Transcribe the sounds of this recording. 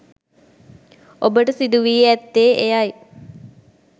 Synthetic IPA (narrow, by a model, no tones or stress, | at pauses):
obəʈəsid̪uʋiːæt̪ːeːʔejaj